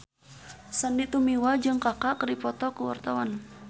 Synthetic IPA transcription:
sandit̪umiwad͡ʒɨŋkakakɾipɔt̪ɔkuwa̰rt̪awan

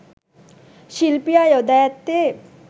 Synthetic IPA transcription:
ʃilpijajod̪ɛt̪ːe

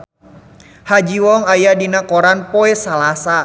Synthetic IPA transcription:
had͡ʒiwɔŋajadinakɔɾanpoɛsalasa

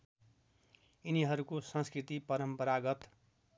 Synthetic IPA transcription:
iniɦʌɾukosʌ̃nskrit̪ipʌɾʌmpʌɾaɡʌt̪

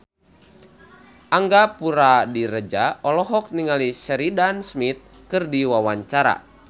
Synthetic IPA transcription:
ʔaŋɡapuɾadiɾəd͡ʒaɔlɔɦɔk̚niŋalisəɾidansmit̪̚ | kɨrdiwawaɲt͡ʃaɾa̰

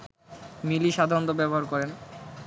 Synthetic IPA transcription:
miliʃad̪ʱaɾont̪obɛboɦaɾkɔɾen

